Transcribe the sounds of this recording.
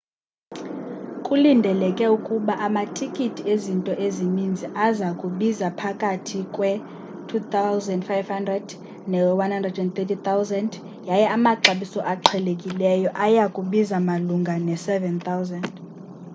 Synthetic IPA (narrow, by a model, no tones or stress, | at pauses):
kʼulindʱɛlɛkʼɛukʼuɓaʔamatʰikʼitʰiezintʼɔʔezinind͡zʱiʔazakʼuɓizapʰakʼatʰikʼwɛ | tʰut̪awzɛndfajvhandrɛd̥ | nɛwanhandrɛdɛnt̪ɛtʰit̪awzɛnd | jajɛʔamaǃaɓisɔʔaǃʰɛlekʼilɛjɔʔajakʼuɓizamaluŋɡʱanɛsɛvɛnt̪ʰawzɛnd